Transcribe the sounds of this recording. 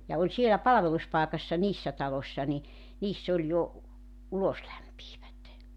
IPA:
jɑ olʲ sielæ pɑlɑ̆ʋeluspɑˑekɑsːɑ niːsːæ tɑlosʲːɑ ni niːsː olʲ jo uloslæmpiːʋæt

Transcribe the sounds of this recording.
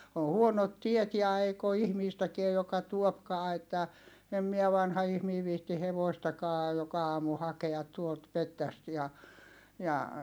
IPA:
o huonot tiet jɑ eik o ihmiːstækiæ jokɑ tuopkɑː etːæ em miæ ʋɑnhɑ ihmiː ʋiːhti heʋoistɑkɑː jokɑ ɑːmu hɑkeɑt tuolt metːæst jɑ jɑ

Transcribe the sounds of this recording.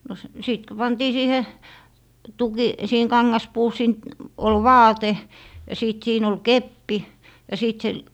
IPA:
no s siˑt ko pɑntiː siːhe tuki siːheŋ kɑŋːɑspuː siːn ol ʋɑːte jɑ siˑt siːn ol kepːi jɑ siˑt se

